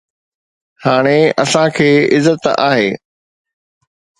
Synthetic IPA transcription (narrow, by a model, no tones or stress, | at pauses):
haːɽ̃eɐsãkʰeːɪzət̪a̰ːɦeː